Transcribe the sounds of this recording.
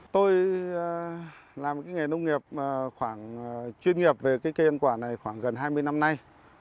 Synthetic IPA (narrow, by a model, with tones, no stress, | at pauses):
t̪o˧j | laː˨˩mkaː˨˦jŋa˨˩nə˧wŋ͡mŋi˨˩əp̚ːxwaː˧˩ŋt͡ɕwi˧ənŋi˨˩əp̚ve˨˩kaː˨˦jke˧ʔə˧nkwaː˧˩na˨˩jxwaː˧˩ŋɣə˨˩nɦaː˧jmɨ˧əjna˧mna˧j